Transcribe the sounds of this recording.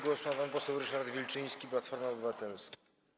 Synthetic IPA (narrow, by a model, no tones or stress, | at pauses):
ɡwɔsumapampɔsɛwɾɘʂaɾd̪vʲilt͡ʂɘj̃skʲiplat̪fɔɾmaɔbɘvat̪ɛlska